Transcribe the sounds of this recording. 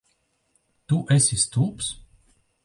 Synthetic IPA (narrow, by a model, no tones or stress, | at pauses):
t̪uʔɛsʲist̪ups